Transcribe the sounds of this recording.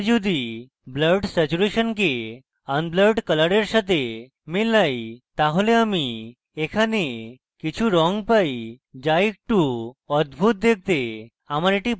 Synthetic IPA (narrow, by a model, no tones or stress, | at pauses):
d͡ʒud̪i | bləɾɖsɛt͡ɕuɾeʃənke | ənbləɾɖkəlaɽeɾʃat̪e | milajt̪aɦoleami | ekʰane | kit͡ɕʰuɾɔŋɡpaj | d͡ʒajk̚ʈuɔd̪bʱut̪̚d̪ek̚ʰt̪e | amaɾeʈi